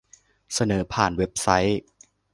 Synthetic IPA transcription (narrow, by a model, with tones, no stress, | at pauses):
sa˧nɤː˩˦pʰaː˨˩nwe˦˥p̚sa˦˥j